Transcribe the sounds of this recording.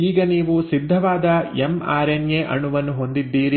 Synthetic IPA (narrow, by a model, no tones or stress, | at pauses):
iːɡɐniːʋusid̪ʱːɐʋaːd̪ɐema̰ːɾenjeʔɐ̰ɳːuʋɐnːuɦo̞nd̪id̪ːiːɾi